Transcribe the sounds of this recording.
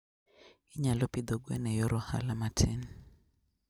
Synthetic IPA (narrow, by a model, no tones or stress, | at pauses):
iɲalɔpid̪ɔɡwɛ̰nɛjɔɾɔha̰lamatʰɛn